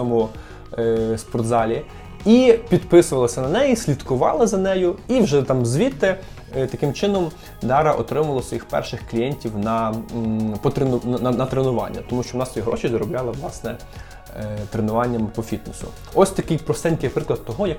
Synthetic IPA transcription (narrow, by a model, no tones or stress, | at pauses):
ɔmʊ | spɔrtd̪zɑlʲi | ipʲid̪pɪsʊʋɐlˠɐsʲɐnɐnɛjisʲlʲid̪kʊʋɑ̰lˠɐzɐnɛjʊiwʒɛt̪ɑmzʲʋʲit̪ɪ | t̪ɐkɪmt͡ʃɪnɔm | d̪ɑɾɐʔɔt̪ɾɪmɐlˠɔsʋɔjixpɛ̰rʃɪxklʲijɛnʲtʲiwnɐ | pɔt̪ɾenʊnnɐnɐt̪ɾenʊʋɑ̰nʲːɐ̰t̪ɔmuʃt͡ʃɔʊnɑsʲiɦɾɔ̰t͡ʃizɔɾɔblʲɑlˠɐʋlˠɑsnɛ | t̪ɾenʊʋɑnʲːɐmpɔfʲit̪nesʊ̰ | ɔsʲt̪ɐkɪjpɾɔst̪ɛnʲkʲijɐpɾɪklˠɐd̪̚t̪ɔɦɔjɐk